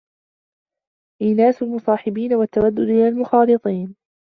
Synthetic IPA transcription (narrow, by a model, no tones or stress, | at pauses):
ʔiːnaːsʊlmʊsˤɑːħɪbiːnawat̪ːawad̪ːʊd̪ʔɪlalmʊxɑːlɨt̪ˤiːn